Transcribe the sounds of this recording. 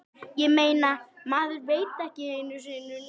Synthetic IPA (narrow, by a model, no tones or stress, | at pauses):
jɛmeːjnamaːðʏɾveːjt̪ɛhcɪɪnʏsnʏ